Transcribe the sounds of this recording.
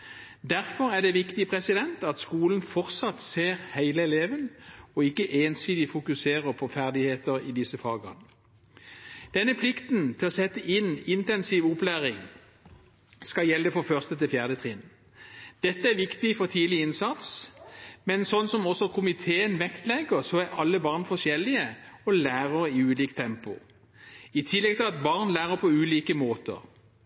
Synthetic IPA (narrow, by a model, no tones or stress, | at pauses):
d̪æʁfɔʁæɖ̪ɛʋɪkt̪ɪpʰʁɛsɪd̪ɛnt̪ɑt̪skuːln̩fɔʁt̪sɑt̪seːʁhæɪləɛleːʋənɔɪkːəʔeːnsiːd̪ɪfʊkʉseːʁəpʰɔfæʁd̪ɪheːt̪əʁiːd̪ɪsəfɑːɡə̰ʁn | d̪̥ɛnːəpʰlɪkt̪nt̪ʰɪlɔːsɛt̪ːəʔɪnɪnt̪ɛnsiːʋʊplæːʁɪŋ | skɑjɛlːəfɔfœʁst̪ət̪ɪlfjæːʁd̪ət̪ʰʁɪn | d̪̥ɛt̪ːəæʋɪkt̪ɪfɔʁt̪ʰiːlɪɪnsɑt̪s | mɛnsɔnːsɔmɔsɔkʰʊmɪt̪ʰeːənʋɛkt̪lɛɡəʁsɔæʁɑlːəbɑːʁnfɔʂjɛlɪəɔlæːʁəʁəɪʉːliːkt̪ʰɛmpʊ̰ | ɪt̪ʰɪlːɛɡ̚t̪ʰɪlɑt̪bɑʁnlæːʁəpʰɔʉːliːkəmoːt̪ə̰ʁ